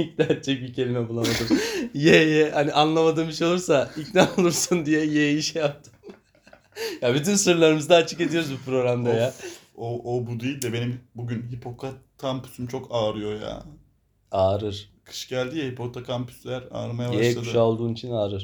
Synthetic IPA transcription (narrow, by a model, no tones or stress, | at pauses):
ic̚d̪æɾt͡ʃɛc̚bicʰe̞lʲimɛbulˠamad̪ɯjɛjɛhaniʔanlˠamad̪ɯːmɯʃo̞lˠuɾsaicnaolˠuɾsund̪ijɛjeiʃɛjap̚t̪ʰɯ̥m | jaːbit̪ʰynsɯɾlˠaɾɯmɯzd̪aːt͡ʃʰɯke̞d̪ijo̞ɾuzbupɾo̞ɡɾamd̪ajaːoobud̪ejilʲd̪ɛbe̞nimbuɟynɦipʰo̞kʰakʰampy̥symt͡ʃʰo̞kaːɾɯjo̞ja̰ː | aːɾɯɾ̥kʰɯ̥ʃɟælʲd̪ijɛhipʰo̞t̪ʰakʰampʰy̥slʲæɾa̰ɾmajabjaeklˠaduʃaolˠd̪uːnit͡ʃʰinaːɾɯɾ̥